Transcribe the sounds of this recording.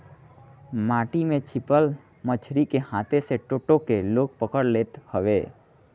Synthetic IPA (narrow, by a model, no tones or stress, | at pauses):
maːʈimẽt͡ʃʰɪpəl | mət͡ʃʰɾikehãːt̪ʰeseʈoːʈokeloːk̚pəkəɽleːt̪həʋeː